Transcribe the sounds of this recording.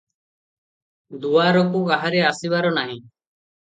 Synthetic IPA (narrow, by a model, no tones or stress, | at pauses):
d̪uaɾɔkuaɦaɾɛasiβaɾɔnaɦĩ